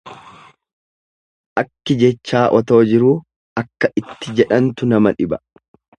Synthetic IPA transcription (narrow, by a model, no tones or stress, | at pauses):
ʔɐkːɪd͡ʒɛt͡ʃːaːʔɔt̪o̞ːd͡ʒɪɾuː | ɐkːɐʔɪt̪ːɪd͡ʒɛᶑɐnt̪ʊnɐmɐᶑɪbɐ